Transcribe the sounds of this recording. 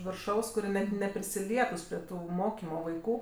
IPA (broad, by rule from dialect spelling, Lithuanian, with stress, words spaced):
ʋʲɪrˈʃɐʊs kʊˈrʲiɛ nʲɛt nʲɛpʲrʲɪsʲɪˈlʲiɛtʊs pʲrʲiɛ ˈtuː ˈmoːkʲiːmoː ʋɐɪˈkuː